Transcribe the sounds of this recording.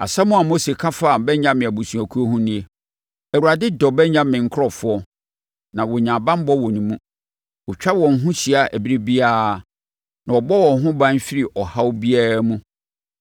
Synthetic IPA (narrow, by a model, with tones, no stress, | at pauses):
a̰˨sɛ˦mʊ̃˦a˨mo˦se˨kʰa˦fa˦˨bɛ˦ɲã˦mɪ̃˨æ˨bu˨sũ˨æ˨kʰu˦o˦hũ˦nĩ˦e˨ | ɛ˨u˨ɾa˨dɪ˦dɔ˨bɛ˦ɲã˦mɪ̃˨ŋ̩˨˦kʰɾɔ˨fʊ˦ɔ˦ | nã˨wɔ˨ɲãː˨bã˦m˦bɔ˦wɔ˨nĩ˨mũ˦ | wɔ˨t͡ɕᶣa˦wɔ̃˨n˨˦ɦʊ̃˦ɕi˨a˨æ˨bi˦ɾe˦bi˦a˦˨ | nã˨wɔ˨bɔ˦wɔ̃˨n˦ɦʊ̃˦bã˦n˦fi˦ɾi˨ʔɔ˨ha˦wbi˦a˦ɾa˦mũ˦